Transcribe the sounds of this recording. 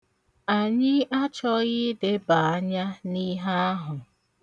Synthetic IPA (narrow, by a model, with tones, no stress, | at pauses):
a˨ɲɪ˦ʔa˦t͡ʃɔ˦ɣɪ˦de˦ba˨a˦ɲa˦ni˦ɦa˦a˦ɦʊ˨